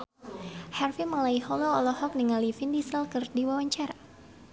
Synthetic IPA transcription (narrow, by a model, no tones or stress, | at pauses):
harfiməlaihɔlɔːlɔhɔk̚niŋalifindisəlkɨrdiwawaɲt͡ʃaɾa